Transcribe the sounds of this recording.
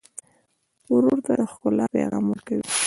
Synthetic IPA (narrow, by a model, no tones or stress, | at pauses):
ʊɾoɾt̪ad̪əxkʊlɑpḛɣɑmuɾkawi